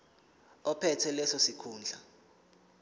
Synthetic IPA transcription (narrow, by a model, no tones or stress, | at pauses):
ɔpʰɛtʰɛlɛsɔsikʰuːnd͡ɮʱa